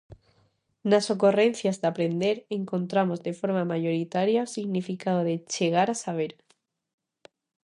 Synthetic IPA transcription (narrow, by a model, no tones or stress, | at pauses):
naso̞kore̞n̟θjazðapɾe̞nd̪eɾeŋkõ̞nt̪ɾamozðe̞fo̞ɾmamaʝo̞ɾit̪aɾjausiɣnifikaðoðet͡ʃeɣ̞aɾasaβ̞eɾ